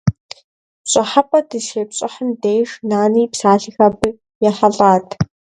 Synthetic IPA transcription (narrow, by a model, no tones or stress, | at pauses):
pɕʼɪħapʼɐdɨʃeːpɕʼɪħəndeːjʂnaːniːpsaːɬɨxɐbɨ | jɛħɐɮʼaːtʰ